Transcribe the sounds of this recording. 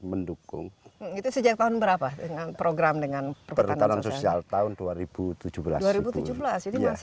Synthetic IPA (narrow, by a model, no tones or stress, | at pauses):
məndukʊ̰ŋm̩it̪usəd͡ʒak̚t̪aɦʊnbəɾapadəŋanpɾoɡɾamdəŋanpəɾpərat̪anansosialt̪aʊnduaɾib̥ut̪ud͡ʒubəla̰sduaɾibut̪ud͡ʒubəlasd͡ʒadias